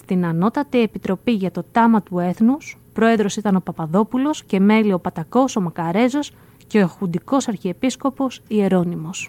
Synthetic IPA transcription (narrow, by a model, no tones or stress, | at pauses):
st̪inɐno̞t̪ɐt̪ie̞pit̪ɾo̞piʝɐt̪o̞t̪ɐmɐt̪ue̞θnuspɾo̞e̞ðɾo̞sit̪ɐno̞pɐpɐðo̞pulo̞sce̞me̞lio̞pɐt̪ɐko̞so̞mɐkɐɾe̞zo̞s | ceoxund̪iko̞sɐɾçiepisko̞po̞sie̞ɾo̞nimo̞s